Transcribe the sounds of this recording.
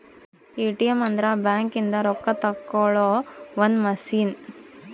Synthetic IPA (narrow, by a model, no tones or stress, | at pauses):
iːʈijɐmɐnd̪ɾabjaːŋkind̪ɐɾɔkːɐt̪ɐkːoɭoːʋɐnmɐsiːn